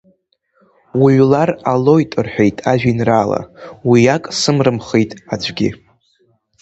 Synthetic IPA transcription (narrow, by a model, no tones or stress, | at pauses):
wiʕlaralo̞jtʼɨrħᶣe̞jtʼaʒᶣinraːla̰wijakʼsɨmrɨmχejtʼad͡ʒʷɡʲḭ